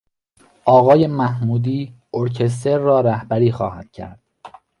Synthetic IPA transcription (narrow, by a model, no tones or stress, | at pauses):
ʔɒːɣɒːje̞mæhmuːd̪iː | oɾcʰe̞s̬t̪e̞ɾːɒːɾæhbæɾiːxɒ̰ːhæd̪̥cʰæ̰ɾd̪̥